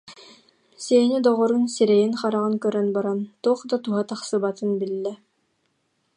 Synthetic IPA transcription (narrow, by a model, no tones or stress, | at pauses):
sɛnid̪ɔʁɔɾunsiɾɛjinχaɾaʁɯnkœɾœnbaɾant̪uɔχd̪at̪uɦat̪aχsɯbat̪ɯnbilːɛ